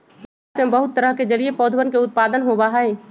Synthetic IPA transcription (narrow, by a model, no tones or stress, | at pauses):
t̪mẽbɐɦʊt̪ːəɾəɦked͡ʒɐɾiepɔːd̪ʱwənkeʊt̪̚paːd̪ənɦobaɦaɦeː